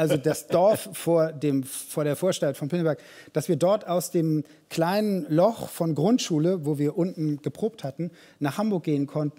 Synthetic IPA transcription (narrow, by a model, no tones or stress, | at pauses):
ʔalzodasd̥ɔɐffoːɐdeːmfoːɐɾeːɐfoːɐʃtaltfɔnpʰɪnəbɛɐk | d̥asv̥iːɐdɔɐtaʊsd̥eːm | kʰl̥aɪnənlɔχfɔnɡʁʊntʃuːləvoːviːɐʔʊntn̩ɡ̥əpʁ̥oːp̚thatn̩ | naːχhambʊɐk̚ɡ̥eːənkʰɔntn̩